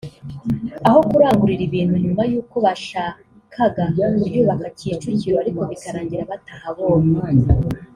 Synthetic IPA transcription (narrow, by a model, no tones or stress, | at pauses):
aɦo̞kuɾaːŋɡuɾiɾiβiːn̥huɲumajuːko̞βaʃa | kʰaɡauɾjuːβakaciːt͡ʃuciɾoaɾikoβikaɾaːɲɟiɾaβatahaβo̞ːna